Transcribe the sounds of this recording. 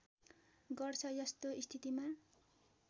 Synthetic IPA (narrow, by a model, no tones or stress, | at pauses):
ɡʌrt͡sʰʌjʌst̪oist̪ʰit̪ima